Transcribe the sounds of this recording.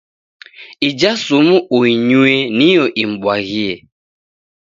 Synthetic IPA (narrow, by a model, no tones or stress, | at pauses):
id͡ʒasumuoiɲuenioʔiŋ͡m̩ɡ͡bwaɣie